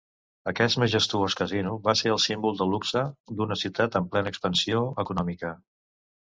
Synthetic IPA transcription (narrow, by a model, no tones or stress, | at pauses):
əkɛst̪meʒəst̪uoskəzinuβaseəlˠsimbulˠd̪əluksəd̪unəsiuwt̪at̪əmplɛnəkspənsioəkunɔmikə